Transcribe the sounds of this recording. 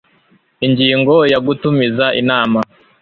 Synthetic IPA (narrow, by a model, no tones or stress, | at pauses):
iɲɟiːŋɡo̞jaɡutumizaʔinaːma